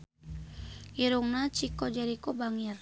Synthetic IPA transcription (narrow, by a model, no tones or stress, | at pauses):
iɾuŋnat͡ʃikɔd͡ʒaɾikɔbaŋir